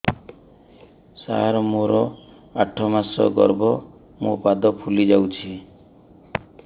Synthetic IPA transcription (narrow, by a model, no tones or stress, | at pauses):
sa̰ɾmoɾɔ | aʈʰɔmasɔ̰ɡɔ̰ɾbɔ | mupad̪ɔpʰulid͡ʒawt͡ʃʰi